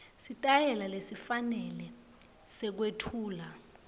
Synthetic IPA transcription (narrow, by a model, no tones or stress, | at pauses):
sitʼajɛlalesifanɛlɛ | sɛk̬wetʰuːla